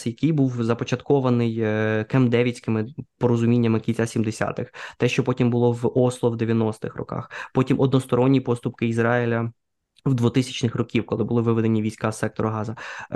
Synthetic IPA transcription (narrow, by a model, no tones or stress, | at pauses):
jɐkɪjbuwzɐpɔt͡ʃɐt̪kɔʋɐnɪjkemd̪ɛʋʲit͡sʲkɪmɪpɔɾɔzʊmʲinʲːɐmɪkʲinʲt͡sʲasʲimd̪esʲa̰t̪ɪxt̪ɛʃt͡ʃɔpɔtʲimbʊlˠɔwɔslˠɔwd̪eʋʲjɐnɔst̪ɪxrɔ̰kɑ̰xpɔtʲimʔɔd̪nɔst̪ɔɾɔnʲːipɔst̪ʊpkɪizɾɑɪlʲɐ | wd̪ʋɔt̪ɪsʲɐ̥t͡ʃnɪxrɔkʲiwkɔlˠɪbʊlˠɪʋɪʋɪd̪enʲiʋʲijsʲkɑssɛk̚t̪ɔɾɔɦɑzɐ